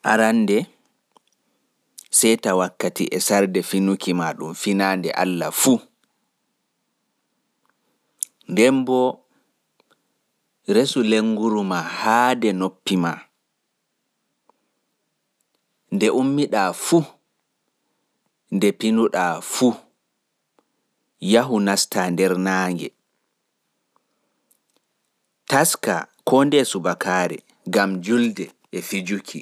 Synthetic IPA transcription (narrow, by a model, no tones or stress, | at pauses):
ʔaɾanːdɛ | sɛjtawakːatḭʔɛsaɾdɛfinukimaɗumfinaːndɛ̰ʔa̰lːafu | ndɛmbɔ | ɾesuleŋɡuɾumahaːdɛnopːima | ndɛʔumːiɗafu | ndɛpinuɗafu | jaɦunastʰandɛɾnaːŋɡɛ̰ | taska̰kʰɔndɛsubakaːɾɛ̰ | ɡamd͡ʒuldɛː | fid͡ʒukʰi